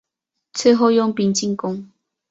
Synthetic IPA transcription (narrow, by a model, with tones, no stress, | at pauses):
t͡sʰɨ˥˧ɦo˥˧jʊ˥˧ŋpi˧˥ŋt͡ɕi˥˨ŋkʊ˥ŋ